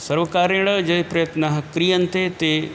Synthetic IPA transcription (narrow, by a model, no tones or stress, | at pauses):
sɐɾʋəkaːɾẽɽəd͡ʑɐɦpɾɐjət̪naɦkɾijənɪ̆t̪et̪e